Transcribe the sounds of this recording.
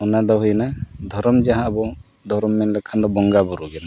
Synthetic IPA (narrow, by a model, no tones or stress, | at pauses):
ɔnad̪ɔɦujnad̪ʱɔɾɔmd͡ʒaɦãːbɔ | d̪ʱɔɾɔmːɛnlɛkʰand̪ɔbɔŋɡabɔɾuɡɛna